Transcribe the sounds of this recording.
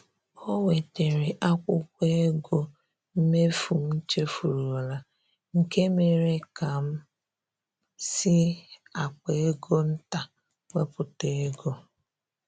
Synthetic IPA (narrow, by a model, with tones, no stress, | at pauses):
o˦we˨te˨ɾɪ˨ʔa˦kʷʊ˦kʷe˦e˦ɡo˦ | m̩˦me˦fu˨m̩˦n̩˦t͡ʃe˦fu˨ɾu˨o˨la˨ | ŋ̩˨ke˦me˨ɾe˦ka˨m̩˦ | sɪ˦a˨k͡pe˦e˦ɡo˦n̩˦ta˨ | wʷe˦pʊ˨te˦ɡo˦